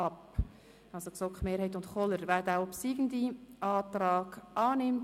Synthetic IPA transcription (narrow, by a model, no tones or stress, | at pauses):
ɑp | ɑlsoksɔkχmeːɾhɛɪtʊntχɔləɾvɛdaʊpsiːɡ̥ən̩diʔɑːt̪rɑːɡ̥ʔɑːnɪmt